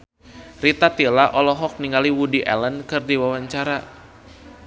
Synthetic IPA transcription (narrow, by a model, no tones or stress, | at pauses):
rit̪at̪ilaʔɔlɔɦɔk̚niŋɡaliwudiʔɛ̰lənkɨrdiwawaɲt͡ʃaɾa